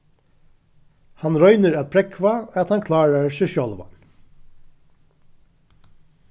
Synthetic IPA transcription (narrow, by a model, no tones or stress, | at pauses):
hɑnɾœʏnəɹat̪̚pʰɾɛkʰʋaat̪hɑnkʰlɑːɹaɹʃœʃɔlʋa̰n